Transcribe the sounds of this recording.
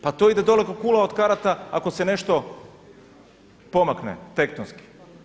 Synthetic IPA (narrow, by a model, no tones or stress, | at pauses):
pat̪oid̪ed̪o̞lekokulˠaod̪kaɾat̪aako̞se̞ne̞ʃt̪o̞ | po̞maknḛt̪e̞kt̪onski̥